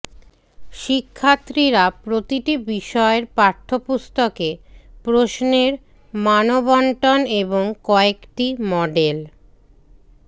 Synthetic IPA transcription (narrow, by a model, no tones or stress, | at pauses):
ʃikʰːat̪ːɾiɾapɾot̪iʈibiʃɔeɾpaɾt̪ʰopust̪okepɾoʃneɾ | manobɔɳʈoneboŋkɔekʈimɔɖel